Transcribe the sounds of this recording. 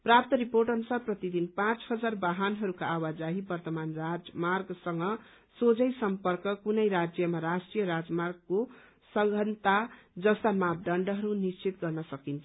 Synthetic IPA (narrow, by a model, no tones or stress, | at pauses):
prap̚t̪ʌɾiporʈʌnusarprʌt̪id̪inpãt͡sɦʌd͡zarbaɦanɦʌɾukaːwad͡zaɦibʌrt̪ʌmanrad͡zmarɡsʌŋɡʌ | sod͡zʌjsʌmpʌrkʌkunʌjɾad͡zjʌmaɾasʈrijʌɾad͡zmarɡ̚ko | sʌŋɡʱʌnt̪ad͡zʌst̪amab̚ɖ̪ʌɳɖʌɦʌɾunist͡sit̪ɡʌrnʌsʌkint͡sʰ